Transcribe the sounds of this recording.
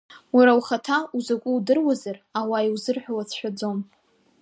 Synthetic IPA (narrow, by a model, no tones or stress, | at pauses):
waɾawχatʰauzakʷʼʊudɨrwazarawaiwzɨrħʷᶣawat͡sʰʃʷᶣad͡zo̞m